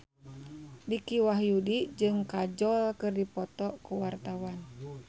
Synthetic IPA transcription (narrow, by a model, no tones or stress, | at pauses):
dikiwaɦjudid͡ʒɨŋkad͡ʒɔlkɨrdipɔt̪ɔkuwart̪awan